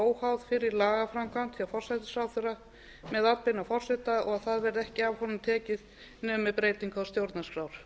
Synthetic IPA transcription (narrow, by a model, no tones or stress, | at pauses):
oːwhawðfɪɾɪɾlaːɣafɾamkʰvant̪fiafɔr̥sajt̪ɪ̥saːwθʏɾa | mɛðat̪̚pɪnafɔr̥sɛt̪aɔɣaðθaðvɛɾɪðɛhcɪavhɔnʏmt̪ʰɛːcɪð | nœːmɪpɾeːjt̪iŋkawst̪jowɾt̪naskɾawɾ̥